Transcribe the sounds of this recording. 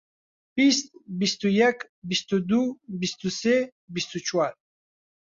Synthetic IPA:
b̥ist̪̚bist̪ujɛk | bist̪ud̪ubist̪usɛ | bist̪ut͡ʃʰwaɾ

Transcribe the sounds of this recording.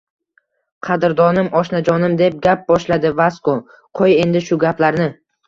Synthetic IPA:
qʰɑd̪ɪɾd̪ɒnɪmɒʃnad͡ʒɒnɪmd̪e̞p̚ɡʲap̚bɒʃlad̪ɪvasko | qʰoje̞nd̪ɪʃʊɡʲaplaɾnɪ

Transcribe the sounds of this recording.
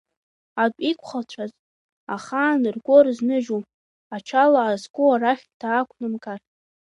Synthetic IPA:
adʷʼikʷʰʼχat͡ʃʷʰaz | aχaːnɨrɡʷorɨznɨʒu | at͡ʃʰalaːzɡʷʼuaɾaχʲtʰaːkʷʰnɨmkʼar

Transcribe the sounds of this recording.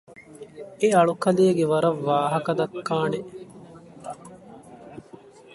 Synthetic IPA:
eɐɭukɐleːɡeʋɐɾɐʋːaːɦɐkɐd̪ɐkːaːneʔ

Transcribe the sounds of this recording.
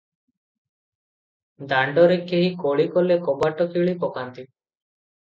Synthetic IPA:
d̪aɳɖɔɾekeɦikoɭikɔlekɔbaʈɔkiɭipɔkant̪i

